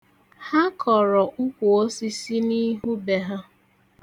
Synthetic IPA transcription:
ha˦kʰɔ˨ɾɔ˨ʔʊ˦kʷu˨o˦si˦si˦ni˦ɦu˦be˨ɦa˦

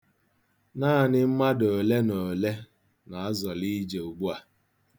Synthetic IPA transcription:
naː˦˨nɪ˦m̩˦ma˦do˨le˦no˨le˦ | na˨a˦zɔ˨li˦d͡ʒe˨o˨ɡ͡bu˦a˨

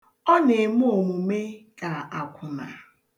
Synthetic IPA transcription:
ɔ˦ne˨m˦o˨mʊ˨me˦ka˨a˨kʷʰʊ˨ma̰˨

